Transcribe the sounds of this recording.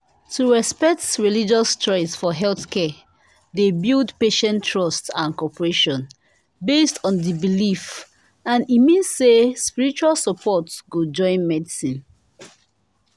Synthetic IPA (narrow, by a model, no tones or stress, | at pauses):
tʰuɹɛspɛk̚tɹilid͡ʒɔstʰɹɔisfɔɦɛlθkʰɛ | debildpeʃɛ̃ntʰːɹɔstãnkɔpəɹeʃɔ̃n | bestʰɔ̃ndibilif | ãnimĩnssespiɹit͡ʃualsəpʰɔtsɡod͡ʒɔ̃ɪ̃nmɛdisĩn